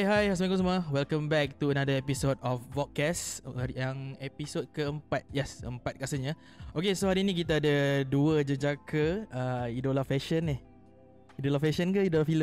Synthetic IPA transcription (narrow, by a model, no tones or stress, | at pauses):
ɦajas̬mãŋkõs̬aməwɛlkə̃mbɛk̚t̪uənadəɛpisodɔfːɔt̪̚kɛsjaŋɛpisod̚kəəmpat̪̚jɛsə̰mpat̪̚kasəɲa | okesohaɾiːnĩkit̪aːdaduəd͡ʒəd͡ʒakʰəəidolafɛʃənɪ | idolafɛʃənkəidolafiləm